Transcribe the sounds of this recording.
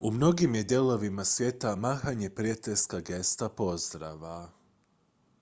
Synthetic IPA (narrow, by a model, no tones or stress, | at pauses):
umno̞ɡimje̞d̪je̞lˠo̞ʋimasʋje̞t̪amaːxaɲe̞pɾiat̪eʎskaɡe̞st̪apo̞zd̪ɾa̰ʋa